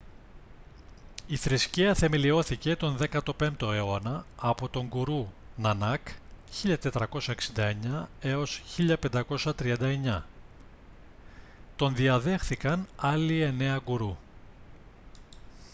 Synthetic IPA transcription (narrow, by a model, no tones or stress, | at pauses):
iθɾisciɐθe̞me̞lio̞θice̞t̪o̞nðe̞kɐt̪o̞pe̞mpt̪o̞e̞onɐːpo̞t̪o̞ŋɡuɾu | nɐnɐkçiʎɐt̪e̞t̪ɾɐko̞sɐeksind̪ɐe̞ɲɐe̞o̞sçiʎɐpe̞nd̪ɐko̞sɐt̪ɾiɐnd̪ɐe̞ɲɐ | t̪o̞nðiɐðe̞xθikɐnɐlie̞ne̞ɐɡuɾu